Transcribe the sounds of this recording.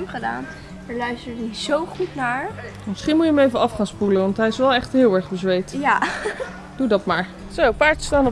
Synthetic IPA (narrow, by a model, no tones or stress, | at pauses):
mχəda̰ːn | əɹlœɥstəɹdizowχutnaːɹ | mɪsχinmutjəməejvəɑfχaːnspulənʋɑntɦɛjɪsʋɛlˠɛχtɦɪːlˠɛɹχbəzʋejtja | d̥udɑtmaːɹ | sowpaːɹtstaːnə